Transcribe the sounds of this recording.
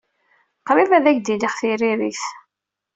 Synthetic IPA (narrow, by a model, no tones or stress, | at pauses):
qɾivæðæçd̪iliχθiɾiɾiθ